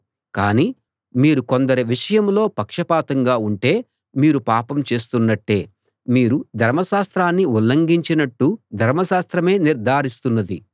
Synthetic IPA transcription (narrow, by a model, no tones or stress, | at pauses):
kaːniː | miːɾuko̞nd̪ɐɾiʋiʂɐjɐmlo̞ːpɐkʂɐpaːt̪ɐŋɡaːuɳʈe̞ː | miːɾupaːpɐmt͡ʃe̞ːst̪unːɐʈːe̞ː | miːɾud̪ʱɐɾmɐʃaːst̪ɾaːnːiulːɐŋɡiɲt͡ʃinɐʈːud̪ʱɐɾmɐʃaːst̪ɾɐme̞ːniɾd̪ʱaːɾist̪unːɐd̪i